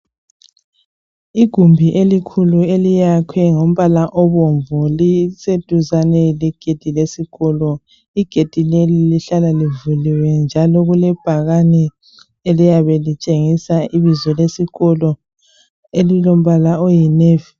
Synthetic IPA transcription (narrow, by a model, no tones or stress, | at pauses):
iɡ̥ʱumbʱiʔelikʰuluelijakʰwɛŋom̩βalaʔɔβoɱvɔlised̥ʱuzanɛlɛɡ̥ʱed̥ʱilesiɣɔlɔ | iɡ̥ʱed̥ʱileliliɬalalivuliwɛnd͡ʒʱalɔɣulɛb̥ʱaɣanɛ | elijaβɛlit͡ʃʼeŋisaʔiβizɔlesiɣɔlɔ | elilom̩βalaojineːvi